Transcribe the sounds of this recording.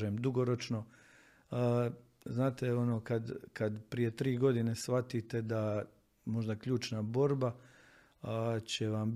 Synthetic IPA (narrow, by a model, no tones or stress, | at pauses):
emd̪uɡoɾo̞t͡ʃno̞ | ə | znaːt̪e̞o̞noːkad̪kad̪pɾije̞t̪ɾiːɡo̞d̪ine̞sʋat̪it̪e̞d̪a | mo̞ʒd̪akʎuːt͡ʃnabo̞ɾba | t͡ɕe̞ʋam